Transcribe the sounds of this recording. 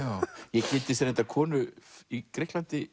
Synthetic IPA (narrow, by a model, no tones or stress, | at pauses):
awjɛcɪːt̪ɪst̪ɛɾɛnt̪akʰɔːnʏikɾɪhklant̪ɪ